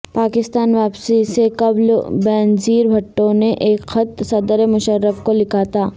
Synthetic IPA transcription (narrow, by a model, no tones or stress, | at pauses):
paːkɪst̪aːnʋaːpsisekɐblbɛːnziːɾbʱɐʈːõneʔeːkxɐt̪sɐd̪ɾemʊʃəɾːəfkolɪkaːt̪aː